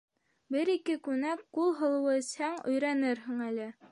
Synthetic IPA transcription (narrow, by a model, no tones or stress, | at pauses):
bɘɾikɘkʉnækqulˠɦɤ̆lˠɤ̆wɤɘ̆shæŋɵ̆jɾænɘɾɦɘ̆ŋælɘ